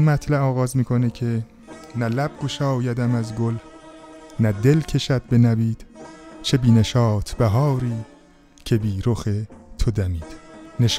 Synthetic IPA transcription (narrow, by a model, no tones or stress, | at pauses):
nmæt̪ʰlæɒːɣɒːzmiːkʰo̞necʰe | nælæb̥̚ɡoʃɒːjæd̪æmæzɡol | næd̪e̞lcʰe̞ʃæd̪̚be̞næbiːd̪̥t͡ʃʰe̞biːne̞ʃɒːt̪ʰb̥æɦɒːɾiː | cʰe̞biːɾoxet̪ʰod̪æmiːd̪̥neʃ